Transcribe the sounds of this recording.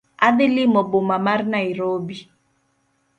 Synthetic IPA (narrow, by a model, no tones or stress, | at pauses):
aðelimɔbomamaɾnaiɾobi